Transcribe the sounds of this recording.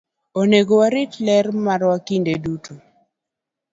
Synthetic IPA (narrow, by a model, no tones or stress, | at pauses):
oneɡowaɾɪtlɛɾmaɾwakindedutʰo